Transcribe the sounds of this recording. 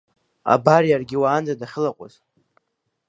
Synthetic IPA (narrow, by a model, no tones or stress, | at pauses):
a̰barijarɡʲɪwaːnd͡zadaχʲɪlaqʷʼa̰z̥